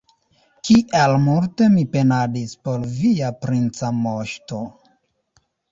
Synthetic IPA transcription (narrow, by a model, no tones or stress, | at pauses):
kiʔelmulte̞mipe̞nadispo̞lviapɾint͡samoʃto̞